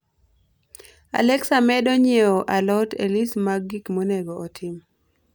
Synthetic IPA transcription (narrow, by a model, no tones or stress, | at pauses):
a̰lɛksamɛdɔɲeɔʔalɔtḛlismaɡikmonɛɡɔːtʰɪm